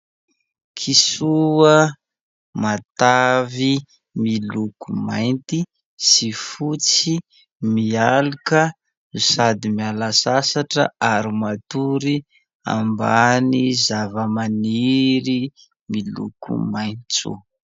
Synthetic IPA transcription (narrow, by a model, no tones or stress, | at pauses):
kʰisuə | mat̪avi | milukumajnt̪i | sifut͡si | mialukə | usad̪imialasasaʈ͡ʂə̰aɾimat̪uɾi | a̰mbanizavəmaniɾi | milṵkʰṵmajnt͡sṵ